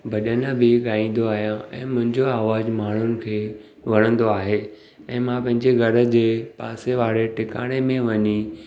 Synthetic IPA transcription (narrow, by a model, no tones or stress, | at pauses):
bʱɐɗənəbɪɠaːĩːn̆d̪oaːɦijãɛ̰̃ːmʊ̃ɦɪ̃ɲd͡ʑoaːʋaːzmaːɳ̤ʊnɪ̆kʰeː | ʋɐɽ̃ə̃nd̪oaːɦe | ɛ̃ːmãpɐ̃ɦɪ̃ɲd͡ʑeɣʱɐɾə̆d͡ʑeːpaːseʋaːɽeʈɪka̰ːɽ̃emẽʋɐɲi